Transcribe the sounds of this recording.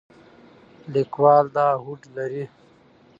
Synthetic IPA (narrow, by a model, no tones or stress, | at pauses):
likwaːld̪aːɦuʈlɐɾi